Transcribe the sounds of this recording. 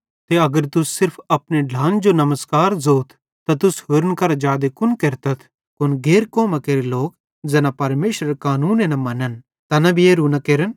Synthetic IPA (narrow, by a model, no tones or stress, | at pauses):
t̪eɐɡəɾt̪ʊsːɪɾpʰɐpneɖʱãːnd͡ʒonɐməskaːɾzoːt̪ʰ | t̪at̪ʊshʊɾənkɐɾad͡ʒaːd̪ekʊnkeɾt̪ət̪ʰ | kʊnɡeːɾkɔːmakeːɾeloːk̚ | d͡zɛːnãpɐɾmeːʃɾəɾkaːnuːnenɐ̃mɐnən | t̪ɐnɐbʱieːɾunakeːɾən